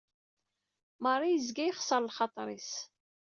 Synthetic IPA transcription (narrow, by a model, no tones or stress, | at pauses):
mɑɾˤijəzɡæjχsəɾˤlχɑt̪ˤɾˤis